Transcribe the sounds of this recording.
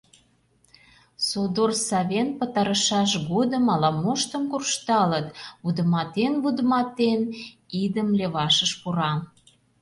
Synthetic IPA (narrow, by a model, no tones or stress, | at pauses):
sod̪orsɑβʲenpə̆t̪ɑɾəʃɑʃɣod̪əmɑlɑmoʃt̪əmkurʃt̪ɑlət̪βud̪ə̆mɑt̪enβud̪əmɑt̪en | id̪əmlʲeβɑʃəʃpuɾɑ